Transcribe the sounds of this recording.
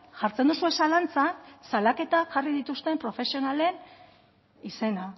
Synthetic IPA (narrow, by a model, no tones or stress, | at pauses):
ʝaɾt͡send̪usue̞salant͡sasalake̞t̪aʝariðit̪ust̪e̞mpɾo̞fe̞sio̞nale̞n | ise̞na